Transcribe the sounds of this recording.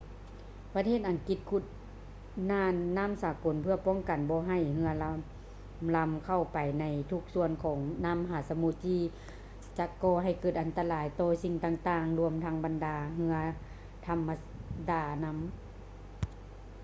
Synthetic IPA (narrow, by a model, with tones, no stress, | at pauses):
pa˧t̪ʰeː˧˥˨t̪̚ʔa˨ŋki˧t̪̚kʰu˧˩t̪̚ | naː˧˨nːa˧˥˨msaː˨˦ko˨˦npʰɯ˧ɐpɔː˧˥˨ŋka˨˩nbɔː˧˦ɦa˧˩jhɯ˧˥ɐ˧ | la˧mkʰa˧˩wpa˨˩jna˧˥jt̪ʰu˧k̚su˧ənkʰɔː˩˦ŋnaː˧˥˨mɦaː˨˩˦sa˧mu˧˦t̪̚ʰːiː˧ | t͡ɕa˧kɔː˧˩ɦa˧˩jkɤː˧˩t̪̚ʔa˨˧nt̪a˧laː˨˦jt̪ɔː˧si˧ŋt̪aː˧ŋt̪aː˧ŋlu˧əmt̪ʰa˧˥ŋba˨ndaː˨˩ɦɯ˧˥ɐ | t̪ʰa˧˥mːa˧ | daː˨˩na˧˥m